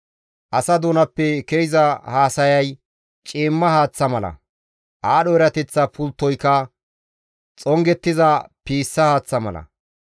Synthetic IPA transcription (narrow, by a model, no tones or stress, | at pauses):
ʔɐsɐd̪oːnɐpːɛkeɪzɐhaːsɐjɐj | t͡ʃʼiːmːɐhaːt͡sːɐmɐlɐ̰ | ʔaːɗɔɛɾɐt̪ɛt͡sːɐpʊlt̪ːɔjkːɐ | t͡sʼɔŋɡɛt̪ːɪzɐpiːsːɐhaːt͡sːɐmɐ̰lɐ̰